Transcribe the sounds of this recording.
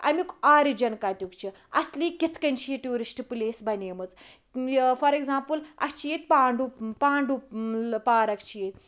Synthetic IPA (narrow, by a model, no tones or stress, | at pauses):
ɐ̰mikaːɾid͡ʒɐnkaːt̪ʲukt͡ʃʰi | ɐslikit̪ʰkɐnt͡ʃieʈuːɾisʈɨpɨleːsbɐnemɨt͡s | fɐɾekzaːmpɨlɐ̰kt͡ʃʰijet̪̚ʲpaːɳɖupaːɳɖupaːɾɐkt͡ʃʰijet̪̚ʲ